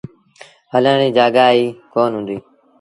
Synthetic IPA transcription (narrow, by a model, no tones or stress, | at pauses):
əljãːɽiːd͡ʒaːɡaːiːkoːnɦʊ̃nd̪iː